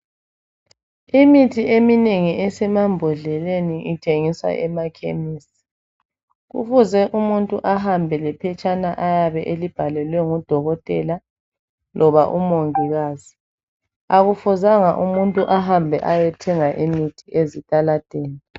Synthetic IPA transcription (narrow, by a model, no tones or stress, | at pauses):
imitʰiemineŋiʔɛsɛmambʱɔɮɛleniʔitʰeŋisa̰ʔɛmakʰḛmiːsi̥ | ɣṵfuzɛʔumuntʼuʔaɦambʱɛlɛpʰɛt͡ʃʼanaʔajaβɛʔelib̥ʱalɛlwɛŋud̥ʱɔɣɔtʼɛ̰la | lʔɔβaʔumoŋiɣaːzi | aɣufuzaŋaʔumuntʼuʔaɦambʱɛʔajɛtʰɛŋaʔimitʰiʔezitʼalad̥ʱeːni